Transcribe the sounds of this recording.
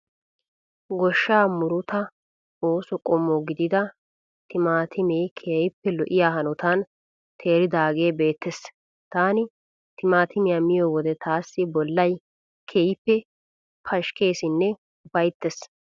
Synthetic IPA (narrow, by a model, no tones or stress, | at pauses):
ɡɔʃːaːmʊɾʊt̪ɐ | o̞ːsɔkʼɔmːɔɡɪd̪ɪd̪ɐ | t̪ʰɪmaːt̪ʰɪmeːkʰeːjɪpːɛlɔʔɪjaːɦɐnɔt̪an | t̪ʰe̞ːɾɪd̪aːɡe̞ːbe̞ːt̪ːɛs | t̪aːnɪ | t̪ɪmaːt̪ɪmɪjamɪjɔwɔd̪ɛt̪ʰaːsːɪbɔlːɐj | kʰeːjɪpːɛ | pʰɐʃke̞ːsɪnːɛ | ʊbɐjt̪ːɛs